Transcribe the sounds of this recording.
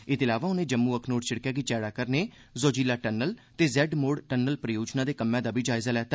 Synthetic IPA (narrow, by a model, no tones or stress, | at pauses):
ɪt̪ɪlaːʋaːʊnẽːd͡ʒəmːuːəkʰnoːɖt͡ʃʰɪɽkjaːɡiːt͡ʃɛːɽaːkəɾneː | zoːd͡ʒiːlaːʈənːəlt̪eːzɛːɖmoːɖʈənːəlpɾəjoːd͡ʒnãːd̪eːkəmːjãːd̪aːbʱiːd͡ʒaːɪzaːlɛːt̪aː